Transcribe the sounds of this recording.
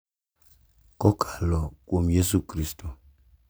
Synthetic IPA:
kɔkʰalɔkwomjesukɾisto

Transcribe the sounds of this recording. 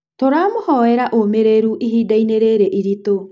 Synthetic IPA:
toɾaːmohɔɛɾaʔomeɾeɾuʔiɦiːdaineɾeɾeʔiɾito

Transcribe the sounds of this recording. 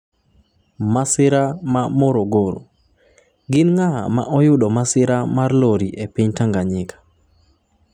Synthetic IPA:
masɪɾamamɔɾoɡoɾo̰ | ɡɪnŋaa̰ma̰ʔɔjʊdɔmasɪɾamarloɾiʔepiɲtaŋɡaɲɪkḁ

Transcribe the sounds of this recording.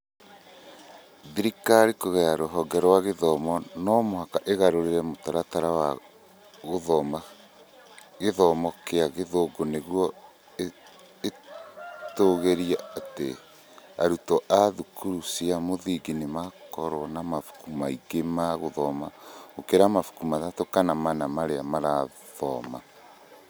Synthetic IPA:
ðiɾikaɾikoɣɛaɾoɦɔɡɛɾɔwaɣeðɔmɔnɔmohakaʔeɣaɾoɾeɾɛmotaɾataɾawa | ɣoðɔma | ɣeðɔmɔkeaɣeðoɡoneɣwɔ | toɣeɾiaatḛ | aɾutɔʔaðukuɾusiamoðiɡinemakɔɾwɔnamafu̥kumaiɡemaɣoðɔmaokeɾamafu̥kumaðatokanamanamaɾeamaɾa | ðɔma̰

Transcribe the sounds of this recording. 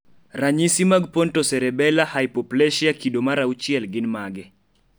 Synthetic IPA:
raɲisimaɡpɔntɔsɛɾɛbɛlahaipɔplɛʃiakidomaɾaut͡ʃiɛlɡɪnmaɡɛ

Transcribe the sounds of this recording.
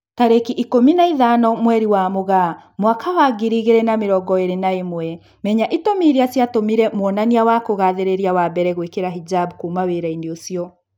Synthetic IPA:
taɾekiʔikominaiðanɔmwɛɾiwamoɣamwakʰawaɡiɾiɣeɾɛnameɾɔɡɔeɾenaemwɛ | mɛɲaʔitomiɾeasjatomiɾɛmwɔnaniawakoɣaðeɾeɾiawabɛɾɛɣwekeɾaɦid͡ʒabkuːmaweɾaindeosiɔ

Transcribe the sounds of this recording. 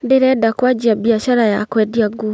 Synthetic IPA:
ndeɾɛdakwad͡ʒiabiaɕaɾajakwɛdiaɡu

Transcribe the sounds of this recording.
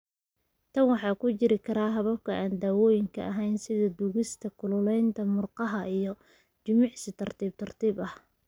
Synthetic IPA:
t̪ʰɐnwɑħɑːkʰʊt͡ʃɪɾɪkʰɐɾaːɦɐβɐb̚kʰɐʔaːnd̪aːwɔːjɪŋkʰɐ̰ʔɐɦɛjnsɪðɐd̪uɣɪst̪ʰɐkʰʊlʊlɛjnt̪ʰɐmʊrqɑɦɐijɞ | t͡ʃɪmɪʕsɪt̪ʰɐrt̪ʰiːb̚t̪ʰɐrt̪ʰiːbɐh

